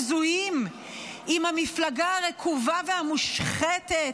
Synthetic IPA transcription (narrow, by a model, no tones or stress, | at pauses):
zujim | imhamiflaɡaaʁekʰuvavehamuʃχet̪et